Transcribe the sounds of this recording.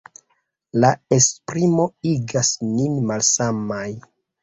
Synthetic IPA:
lae̞spɾimo̞iɡasninmalsamaj

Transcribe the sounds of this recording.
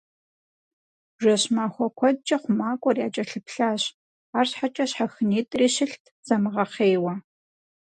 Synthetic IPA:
ʒʷɐɕmaːxʷɔkʷʰɔd̚d͡ʒʼɐχʷʊmaːkʷʼɔrjaːt͡ʃʼɐɬɨpɬaːɕ | aːrɕħat͡ʃʼɐɕħaxɨniːtʼriːɕɪɬtʰz̥ɐmɨʁɐχeːwɐ

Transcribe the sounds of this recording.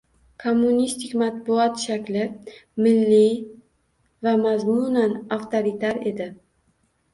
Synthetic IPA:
kʰomːunist̪ʰɪkʲmat̪̚bʊɒt̪ʃakʲlɪmɪlːi | vamazmʊnanaft̪ʰoɾit̪ʰaɾe̞d̪ɪ

